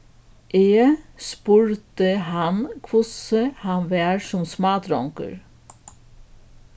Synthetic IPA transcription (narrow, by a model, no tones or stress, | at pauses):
ʔeːspʉɾt̪əhɑnkʰʋʊsəhɑnʋeːɾʃɔmsmɑːt̪ɾɔŋkə̰ɹ